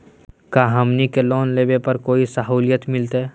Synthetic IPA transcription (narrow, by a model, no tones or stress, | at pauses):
kaːɦɐmnikeloːnleːbepɐɾkoːisɐɦuːljət̪mɪlt̪eɦɛ